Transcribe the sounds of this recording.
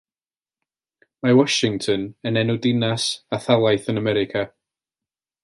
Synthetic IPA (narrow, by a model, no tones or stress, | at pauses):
mawɔʃɪŋtʰənənɛnɔdɪnasaθalˠajθənamɛɾɪkʰa